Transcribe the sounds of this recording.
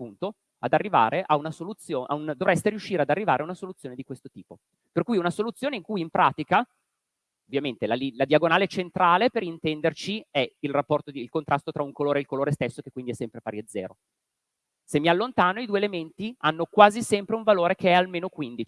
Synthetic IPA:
pːunt̪o | ad̪arːiva̰ːɾeʔaunasolut̪sjoːʔa̰und̪ovɾɛst̪eɾiuʃːiːɾead̪arːivaːɾeaunasolut̪sːjoːned̪ikwest̪ot̪iːpo | perkuːjunasolut̪sːjoːneiŋkujimpɾaːt̪ika | ovːjament̪elalilad̪jaɡonaːlet͡ʃent̪ɾaːlepeɾint̪ɛnd̪ert͡ʃiɛilrapːɔrt̪od̪ilkont̪ɾast̪ot̪ɾauŋkoloːɾeilkoloːɾest̪esːokekwind̪iɛsːɛmpɾefaːɾjiad̪zːɛ̰ːɾo̰ | semːialːont̪aːnoid̪uelement̪ianːokwaːzisɛmpɾeuɱvaloːɾekeɛalmeːnokwind̪it͡ʃ

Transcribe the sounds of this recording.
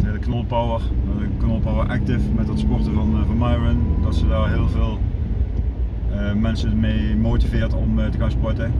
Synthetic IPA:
theːlˠəknɔlˠpawəɹ | əknɔlˠpawəɹʔɛk̚tɪfmɛt̚dɑtspɔrtəvɑnvɑnmajɹənkɑtsədaːrɦɪəlˠveːlˠ | mɛnsədəmeːmoːtivɪːrtɔmtəɣaːnspɔjtə

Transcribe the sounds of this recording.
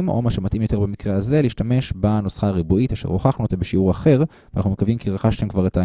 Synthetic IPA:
mo̰maʃemat̪imjo̞t̪e̞ʁbamikʁeaze̞liːʃtameʃbanosχaːʁibuit̪aʃḛʁoχaχnuet̪abeʃiuʁaχe̞ʁvenaχnumekavimkiʁaχaʃtaemkvaʁet̪a

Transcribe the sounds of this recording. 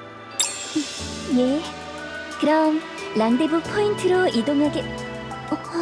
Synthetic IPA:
je̞ | kɯɾʌmlaŋdebupʰointʰɯɾoidoŋɦaɡe

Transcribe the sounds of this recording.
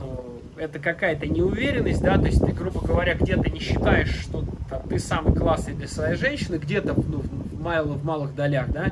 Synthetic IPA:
nu | ɛt̪əkɐkajət̪ənʲɪʊvʲeɾʲɪnːəsʲt̚ʲd̪at̪o̞ɪsʲt̪ɨɡɾubəɡəvɐɾʲaɡdʲe̞t̪ənʲɪɕːɪt̪ajɪʂːt̪ot̪at̪ɨsamɨjklˠasnəjd̪lʲəsvɐjejʐɛnʲɕɪnɨɡdʲe̞t̪ənuvvmalˠəvmalˠɨɣd̪ɐlʲaxd̪a

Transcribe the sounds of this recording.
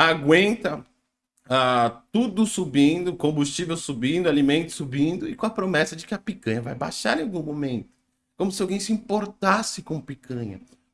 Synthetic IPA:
aɡwẽnt̪ɐ | at̪ud̪ʊsubĩnd̪ʊkõmbust͡ʃivewsubĩnd̪ʊalimẽnt̪ʊ̥subĩnd̪ʊɪkõɐpɾomɛsɐd͡ʒɪkɪɐpikɐ̃ɲɐvajba̰jʃa̰ɾẽawɡũmomẽnt̪ʊ̥ | kõmʊsɪawɡẽj̃sɪĩpoɾt̪asɪkõpikɐ̃ɲɐ̰

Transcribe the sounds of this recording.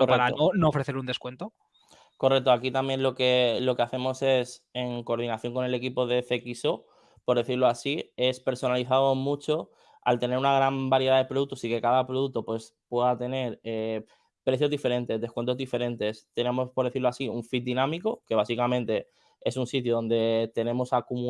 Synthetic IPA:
oraɾaoonoofɾeθe̞ɾund̪e̞skwe̞nt̪o | ko̞rek̚t̪oakit̪amjẽ̞nlo̞ke̞lo̞ke̞aθe̞mo̞se̞seŋko̞ːɾð̞inaθjo̞ŋko̞ne̞le̞kipo̞ðe̞θe̞kiso̞ | po̞ɾðe̞θiɾloasie̞spe̞ɾso̞naliθaðomut͡ʃo̞ | a̰lt̪e̞ne̞ɾunaɣɾambaɾjeaðe̞pɾo̞ðut̪o̞sike̞kaðapɾoðut̪o̞pwe̞s | pwe̞ðat̪e̞ne̞ɾe | pɾe̞θjo̞zðife̞ɾẽ̞nt̪e̞zðe̞skwe̞nt̪o̞zðife̞ɾe̞nt̪e̞st̪e̞nẽ̞mo̞spo̞ɾðe̞θiɾloasiuɱfit̪̚d̪inãmiko̞ke̞βasikamẽnt̪e̞ | e̞sunsit̪joðo̞nd̪e̞t̪e̞nẽ̞mo̞sakumu

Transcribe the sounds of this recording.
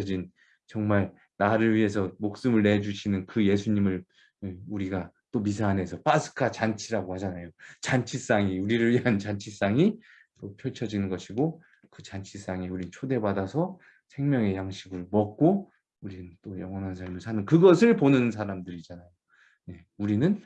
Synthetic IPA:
d͡ʑin | t͡ɕʌŋmaɭ | naɾɯɭɥiɦe̞sʰʌmok̚s͈ɯmɯɭne̞d͡ʑuɕʰinɯnkɯje̞s̬ʰuɲimɯɭ | euɾiɡa | t͈omisʰaːne̞sʰʌp͈asʰɯ̥kʰat͡ɕant͡ɕʰiɾaɡohad͡ʑanajot͡ɕant͡ɕʰis͈aŋiuɾiɾɯɭɥiɦant͡ɕant͡ɕʰis͈aŋi | t͈opʰjʌɭt͡ɕʰʌd͡ʑinɯnɡʌɕʰiɡo | kɯt͡ɕant͡ɕʰis͈aŋiuɾinnt͡ɕʰode̞badasʰʌ | sʰe̞ŋmjʌŋe̞jaŋɕʰiɡɯɭomʌk̚k͈o | uɾinɯnt͈ojʌŋɦwʌnɦansʰaɭmɯɭsʰanɯnkɯɡʌsʰɯɭponɯns̬ʰaɾamdɯɾid͡ʑanajo | ne̞ | uɾinɯn

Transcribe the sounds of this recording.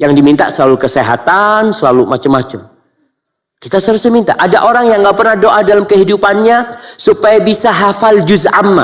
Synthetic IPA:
jaŋdimint̪a̰səlalukəseɦa̰t̪ansəlalumat͡ʃəmːat͡ʃəm | kit̪asəɾusəmint̪a̰ʔadaʔoɾaŋjaŋɡapərnahdoʔadalamkəɦidupanɲasupajabisaɦafald͡ʒuzamːa̰

